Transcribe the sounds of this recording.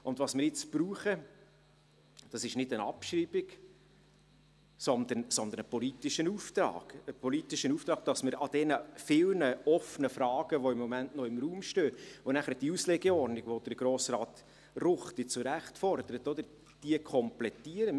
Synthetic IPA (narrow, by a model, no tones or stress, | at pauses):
ʔʊnd̪vɑsmɪɾɪt͡sb̥ruːχə | d̥ɑsɪʃnɪdənɑ̰pʃriːbɪɡ | sɔnd̪ənsɔndənəpɔlit̪ɪʃənuft̪ɾɑ̰ːɡ̥əpɔlit̪ɪʃənuft̪ɾɑːɡ̚d̥ɑsməɾɑd̥ɛnəfɪlnəɔfənəfrɑːɡ̥əʋoɪmːɔmæntnɔɪmruːmʃtøːvonæχəɾd̥iusleɡɛɔɾnɪɡʋod̥̪əɾɡ̥ɾoːsrɑːt̪ | rʊχtit͡suɾæχtfɔrd̪̥əɾət̪ɔd̪əɾ | d̥iəkʰɔmplɛtiəɾə